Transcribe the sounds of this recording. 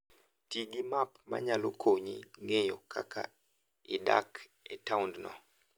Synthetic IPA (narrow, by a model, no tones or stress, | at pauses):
tiɡimapma̰ɲalokʰoɲiŋejɔkʰakʰa̰ | ɪda̰k | ɛtawndnɔ̰